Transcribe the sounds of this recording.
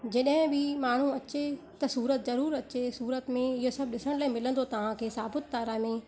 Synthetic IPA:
d͡ʑeɗɦɪ̃bɪmaːɳ̤ũɐt͡ɕe | t̪ɐsuːɾət̪zɐɾuːɾɐt͡ɕesuːɾət̪mẽɪɦosɐb̚ɗɪsəɽ̃laːimɪlə̃n̆d̪ot̪ɐʋ̤ãkʰeːsaːbɪt̪̚ːaːɾamẽ

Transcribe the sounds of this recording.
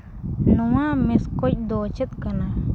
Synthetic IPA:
nɔwamɛskɔc̚ˀd̪ɔt͡ʃɛt̪̚kana

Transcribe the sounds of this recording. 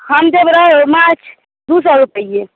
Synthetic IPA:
həmd͡ʒəbɾəɦmat͡ʃʰ | d̪usəɾupəije

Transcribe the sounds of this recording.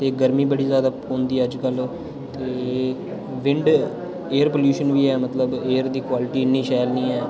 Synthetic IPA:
t̪eːɡəɾmĩːbəɽiːzjaːd̪aːõːnd̪iːɛːəd͡ʒkəl | t̪eː | ʋɪ̃ɳɖ | eːəɾpoːljuːʃənʋiːɛːmət̪ləbeːəɾd̪iːkwaːlɪʈiːɪnːiːʃaːlnĩːɛː

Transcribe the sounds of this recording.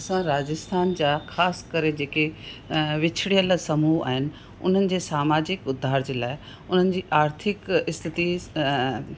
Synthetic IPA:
ɐsãɾaːd͡ʑəst̪ʰaːnd͡ʑaːxʰaːskɐɾed͡ʑeːke | ʋɪt͡ɕʰɽijəlsɐmuːa̰ːɦɪnɪ̆ | ʊ̰n̤ənɪ̆d͡ʑeːsaːmaːd͡ʑɪkʊd̪ʱːaːɾd͡ʑeːlaːɪ | ʊn̤ənɪ̆d͡ʑiːʔaːɾt̪ʰɪkɪst̪ʰɪt̪i

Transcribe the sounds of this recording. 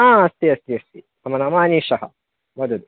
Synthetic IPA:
aːɐst̪iɐst̪iɐst̪i | ɐmɐnɐmaːniʃɐhɐ̰ | mɐd̪ud̪u

